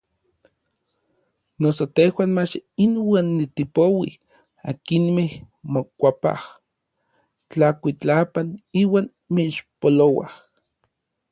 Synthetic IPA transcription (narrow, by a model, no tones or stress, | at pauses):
nosot̪ehwaːnmat͡ʃinwaːnːit̪ipowḭ | akinmeh | mokʷapa̰h | t͡ɬakʷit͡ɬapaniːwaːn | meiʃpolowa̰h